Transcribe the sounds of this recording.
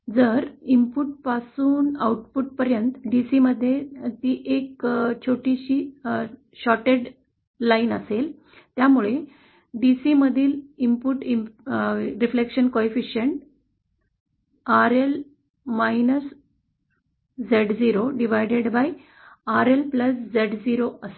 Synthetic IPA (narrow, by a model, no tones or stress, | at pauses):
d͡zəɾimpuʈ̚pasuːnauʈpuʈ̚pəɾjənt̪ɖisiməd̪ʱːjet̪iːʔekt͡ɕʰoʈiɕiː | ɕɔʈeɽ | lainəsel | t̪jamuɭe | ɖisiməd̪ʱiːlimpuʈim | ɾiflekɕənkoefiɕəɳʈ | aɾel | mainəs | d͡zeɖd͡ziɾoɖiʋajɖeɽbaj | aɾelpləsd͡zeɖd͡ziɾoəse